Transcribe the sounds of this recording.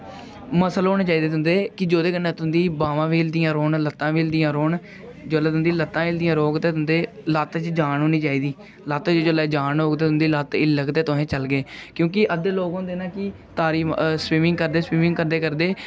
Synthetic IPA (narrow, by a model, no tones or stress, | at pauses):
məsəloːnẽːt͡ʃaːiːd̪eːt̪ʰʊ̃nd̪eːkɪd͡ʒoːd̪eːkənẽːt̪ʊnd̪iːbaːʋãːʋiːld̪ɪjãːɾoːɳlət̪ːãːʋiːld̪ɪjãːɾoːɳ | d͡ʒoːleːt̪ʊnd̪iːlət̪ːãːɪld̪ɪjãːɾoːɡt̪eːt̪ʊnd̪eːlaːt̪t͡ʃd͡ʒaːɳɦoːniːt͡ʃaːiːd̪iː | laːt̪ːt͡ʃod͡ʒolɛːd͡ʒaːɳoːɡt̪eːt̪ʊnd̪iːlat̪ɪlːəɡd̪eːt̪ʊɦẽːt͡ʃəlɡeːkjõːk̬ɪʔəd̪eːloːɡõːd̪eːnãːkɪ | t̪aːɾiːswiːmɪŋɡkəɾd̪eːswiːmɪŋɡkəɾd̪eːkəɾd̪eː